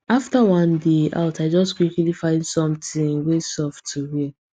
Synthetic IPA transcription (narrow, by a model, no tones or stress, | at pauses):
aftawɔ̃ndeʔa̰ʊtaɪd͡ʒɔskikilifãɪ̃nsɔ̃mtĩwesɔftʰuwi